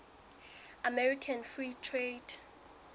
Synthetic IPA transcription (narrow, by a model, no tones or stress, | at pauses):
amɛɹikʰanfritʰred